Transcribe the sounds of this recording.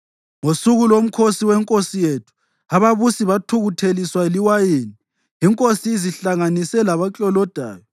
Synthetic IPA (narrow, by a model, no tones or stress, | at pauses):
ŋosuɣulom̩kʰosiwɛŋkʼosijetʰu̥ | aβaβusiβatʰuɣutʰeliswaeliwajeni | iŋkʼosiiziɬaŋanisɛlaβat͡ɬʼɔlɔd̥ʱa̰ːjɔ